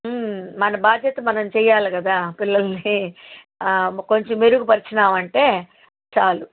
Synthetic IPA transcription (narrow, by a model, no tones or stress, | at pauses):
mɐnɐbaːd̪ʱjɐt̪ɐmɐnɐmt͡ʃɛːjaːlikɐd̪aːpilːɐlɐni | ko̞ɲt͡ʃemeɾuɡupɐɾit͡ʃinaːmɐɳʈe̞ː | t͡ʃaːlu